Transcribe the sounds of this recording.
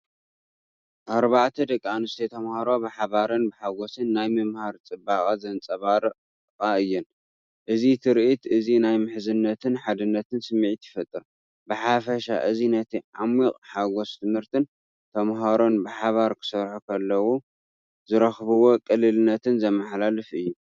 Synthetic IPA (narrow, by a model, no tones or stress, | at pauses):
ʔaɾβaʕt̪ʰɐd̪ɐkʼːanɨst̪ʰet̪ʰɐmhaɾo̞bɨħaβaɾɨnbɨħaɡosɨnːajmɨmhaɾt͡sʼɨbːakʼazɐnt͡sʼɐβaɾɨ | qʼaɨjːɪn | ʔɨzit̪ʰɨɾʔit̪ɨzinajmɨħzɨnːɐt̪ʰɨnħad̪ɨnːɐt̪ʰɨnsɨmːɨʕit̪jɪfɐt̪ʼːɨɾ | bɨħafɐʃa̰ʔɨzinɐt̪ʰiʔamːikʼħaɡost̪ʰɨmhɨɾt̪ʰɨn | t̪ʰɐmɦaɾo̞nbɨħaβaɾkʰɨ̥sɐɾħukʰɐlːɐwo | zɨɾɐxβɨwo̞kʼɨlːɨlɨnɐt̪ʰɨnzɐmːaħlalɨfɨjːu